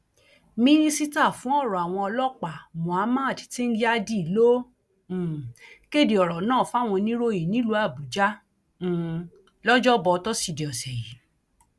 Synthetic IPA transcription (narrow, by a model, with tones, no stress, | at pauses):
mĩ˦nĩ˦si˦ta˦˨fũ˨˦ɔ˦˨ɾɔ˨a˨w̃ɔ̃˧ɔ˧lɔ˦k͡pa˨mõ˨a˨˦mã˦a˦˨ti̥˨ti˦n̩˦d͡ʒi˦a˦˧di˦i˨lõ˦˨ | ke˦˨di˨ɔ˨ɾɔ˨nãː˦˨fa˦˨w̃ɔ̃˧nĩ˦ɾo˦ji˨nĩ˦lu˧˦a˦˨bu˨d͡ʒã˦˨ | lɔ˦d͡ʒɔ˦bɔ˧tɔ˦si˦˧di˨ɔ˨sɛ˨ji˨˦